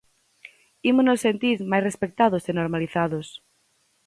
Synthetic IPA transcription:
imonosːent̪iɾmajsrespek̚t̪aðʊsenoɾmaliθaðʊs

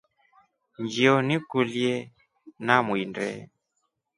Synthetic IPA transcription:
ɲd͡ʒiɔnikuljɛ | namwindɛ̰

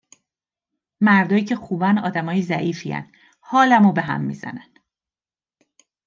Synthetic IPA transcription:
mæɾd̪ɒːjiːcʰe̞xuːbænɒ̰ːd̪æmɒːjiːzæʔiːfiːæ̰nd̪̥ | hɒːlæmobe̞ɦæ̰mːḭːzæ̰næn

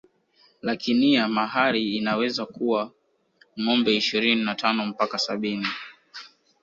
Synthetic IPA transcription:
lakʰiniamaɦaɾiːnawɛzakuwa | ŋɔmbɛiʃiɾininatʰanɔm̩pakasaɓini

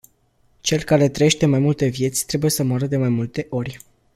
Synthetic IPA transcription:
t͡ʃe̞lkaɾe̞t̪ɾəjeʃt̪e̞majmult̪e̞vje̞t̪sʲt̪ɾe̞buje̞səmaɾəd̪e̞majmult̪e̞ʔo̞rʲ

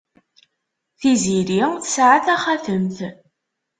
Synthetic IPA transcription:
θiziɾiθsʕaθæχæθəmθ

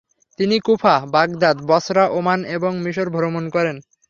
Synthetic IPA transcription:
t̪inikupʰabaɡd̪ad̪bɔsɾaʔomaneboŋmiʃoɾbʱoɾomonkɔɾen

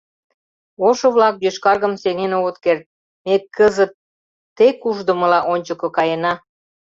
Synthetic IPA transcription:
oʃoβlɑk̚b̪øʃkɑrɣəmseŋenoɣət̪kert̪̚ | mekəzət̪̚ː | ekuʒd̪ə̆mə̆lɑʔonʲt͡ɕəkŏkɑjenɑ

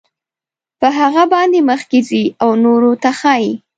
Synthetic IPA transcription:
pəɦaɣabɑnd̪eməxkeziawnoɾot̪axaji

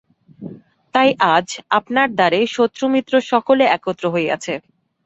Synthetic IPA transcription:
t̪ajʔad͡ʑapnaɾd̪aɾeʃot̪ːɾomit̪ːɾoʃɔkoleɛkot̪ːɾoɦoea̰t͡ɕʰe

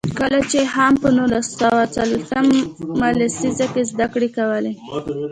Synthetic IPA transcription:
kəlat͡ʃehampənulasawat͡salweamːaləsizakezd̪akɽekawəle

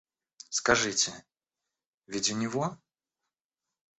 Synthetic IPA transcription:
skaʐɨtʲɪ | vʲidʲɪnʲɪvo

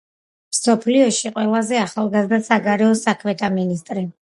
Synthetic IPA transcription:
msɔpʰliɔʃiqʼwɛlˠazɛaχalˠɡazd̪asaɡaɾɛɔsakʰmɛt̪ʰaminist̪ʼɾi

